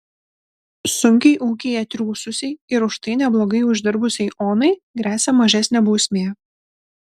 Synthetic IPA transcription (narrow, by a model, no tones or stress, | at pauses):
sʊŋʲkʲɛɪʔuːkʲeɪɛt̪ʲɾʲuːsʊsʲɛɪɪɾʊʃt̪ɐɪnʲɛblˠoːɡɐɪʊʒʲd̪ʲɪɾbʊsʲɛɪʔoːnɐɪɡɾʲæːsʲɛmɐʒʲɛsʲnʲeːbuːsʲmʲeː